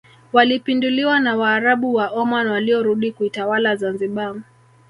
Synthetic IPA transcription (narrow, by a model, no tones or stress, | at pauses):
walipinduliwanawaːɾaɓuwaʔɔmanwaliɔɾuɗikuitawalazanziɓa